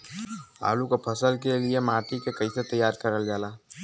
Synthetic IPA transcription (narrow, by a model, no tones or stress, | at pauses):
a̰ːlukopʰəsəlkeliemaːʈikekɐɪset̪əjːaːɾkəɾəld͡ʒaːlaː